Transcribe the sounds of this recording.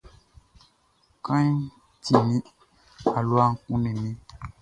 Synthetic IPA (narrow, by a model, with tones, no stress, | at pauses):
kã˦ɲ˦ | ti˨nĩ˦ | a˨lu˦a˦ŋ̩˦kũ˦nĩ˨nĩ˦